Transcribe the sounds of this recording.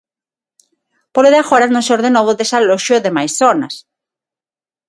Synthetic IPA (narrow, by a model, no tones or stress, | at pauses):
poloðeaxoɾanõseoɾðenoβoðesaloʃjoðemajsθona̰s